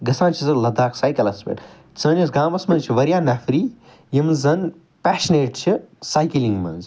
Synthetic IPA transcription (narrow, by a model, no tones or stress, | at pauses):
ɡɐsãːnt͡ʃʰizɐlɐd̪aːksaːjkɐlɐsbḛʈ | t͡sɐːnɐsɡãːmɐsmɐnzt͡ʃʰiʋɐɾijaːnɐfɾi | jimzɐn | pæːʃneːʈt͡ʃʰisajkilĩŋɡmɐ̰nz